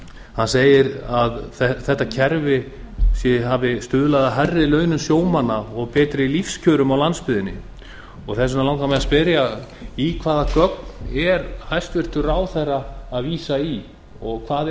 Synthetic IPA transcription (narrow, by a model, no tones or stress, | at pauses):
hanseːjɪɾaðθɛθɛht̪ːacʰɛɾvɪ | sjɛɦaːvɪst̪ʏːðʏlaðaɦarːɪlœːɥnʏmsjoːwmanːaɔɣpɛːt̪ɾɪilifscʰœːɾʏmawlanspɪðɪnːɪ̰ | ɔɣθɛs̬ʏnalawŋkamɛðaspɪɾja | ikʰvaːðakœknɛɾhajst̪vɪr̥t̪ʏraːwθɛraːðviːsai | ɔɣkʰvaːð